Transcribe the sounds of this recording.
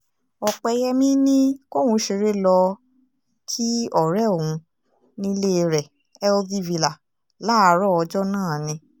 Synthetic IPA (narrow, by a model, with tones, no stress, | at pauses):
ɔ˧k͡pɛ˧jɛ˧mĩ˦nĩ˦ko˦˨hũ˧ʃe˧ɾe˦lɔ˧ | tʰi˦ɔ˦˨ɾɛ˦o˨wũ˧ | nĩ˦le˦˧ɾɛ˨ | ɛ˦o˧ði˦vi˨la˨ | la˦a˨˧ɾɔ˦ɔ˧d͡ʒɔ˦nãː˦˨nĩ˧